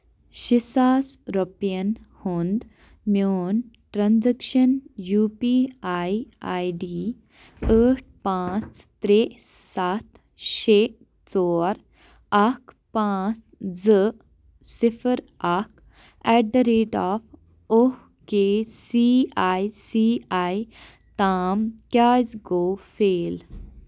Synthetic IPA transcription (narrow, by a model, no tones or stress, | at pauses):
ɕisaːsɾopijənhund̪ | mjoːn | ʈɾãnd͡zəkʃənjuːpiajajɖi | əʈ̚ʰpãt͡st̪ɾe | sat̪ | ɕe | t͡sɔːɾ | ɐk | pãːt͡s | d͡zə | sɪfʰəɾ | ɐk | ɛːɖəɾeːʈaːf | o | keːsiaːisiːaːj | t̪aːmkjaːzɡoːfeːl